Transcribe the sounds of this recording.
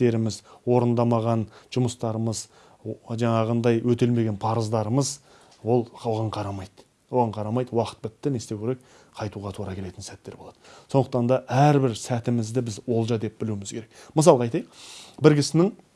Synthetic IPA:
e̞ɾɪmɪzwo̞ɾənd̪ɑmɑʁɑnʒ̥ʊməst̪ɑɾəməz | ʒɑɴɑʁənd̪ɑjwɵt̪e̞lme̞ɡʲe̞npʰɑɾəzd̪ɑɾəməz | wo̞lˠoʁɑɴqʰɑɾɑmɑjd̪̥ | wo̞ʁɑɴqʰɑɾɑmɑjd̪əwɑqə̥t̪̚bɪt̪ːɪne̞st̪ewkʲʰe̞ɾe̞k̚ | qʰɑjt̪uʁɑt̪ʰuɾɑkʲʰe̞le̞t̪ɪnsæt̪ːe̞ɾbo̞lˠɑd̪̥əsond̪əq̚t̪ɑnd̪ɑʔæɾbɪɾsæt̪ɪmɪzd̪ɪbɪzwo̞lˠʒɑd̪e̞p̚bɪluɪmɪzkʲʰe̞ɾe̞kməs̬ɑlˠɑjt̪ɑjq̚bɪɾɡʲɪsɪnɪŋ

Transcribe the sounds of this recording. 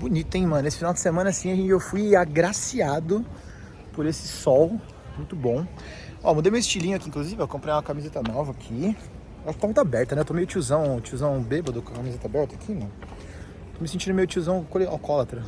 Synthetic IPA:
bʊnit̪ʊẽj̃mɐ̃nʊesɪ̥finawd͡ʒɪsemɐ̃nɐasĩɐʒẽt͡ʃɪewfujaɡɾasiad̪ʊ | poɾesɪ̥sɔw | mũj̃t̪ʊbõw̃ | ɔmũd̪ejmewɪst͡ʃilĩɲʊakĩŋkluzivɪakõpɾẽjãɐkamizet̪ɐnɔvɐːkʰi | waʃkɪt̪amũt̪abɛɾt̪ɐnɛet̪omejʊt͡ʃiuzɐ̃w̃t͡ʃiuzɐ̃w̃bebɐd̪ʊkɐkamizet̪ɐabɛɾt̪ɐakʰimɐ̃nʊ | t̪omɪsẽt͡ʃĩd̪ʊmejʊt͡ʃiuzɐ̃w̃kolea̰kɔlat̪ɾɐ

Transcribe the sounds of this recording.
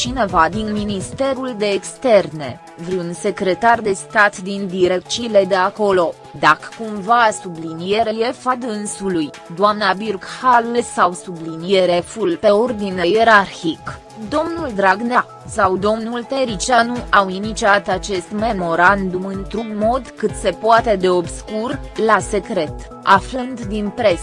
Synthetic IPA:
t͡ʃine̞vad̪inminist̪e̞ɾuld̪e̞ːkst̪e̞rne̞ | vɾiunse̞kɾe̞t̪ard̪e̞st̪at̪d̪ind̪iɾekt͡ʃile̞d̪e̞ako̞lo̞ | d̪akə̥kumvaːsublinijeɾeje̞fad̪ɨnsuluj | d̪oamnabirkhalsawsublinijeɾe̞fulpe̞ord̪ine̞jeɾarçik | d̪o̞mnuld̪ɾaɡna | sawd̪o̞mnult̪e̞ɾit͡ʃanuʔawinit͡ʃiat̪at͡ʃe̞st̪me̞mo̞ɾand̪umɨnt̪ɾuɡmo̞d̪kɨt̪se̞poat̪e̞d̪e̞o̞bskurlase̞kɾe̞t̪ | ʔaflɨnd̪d̪inpɾe̞s

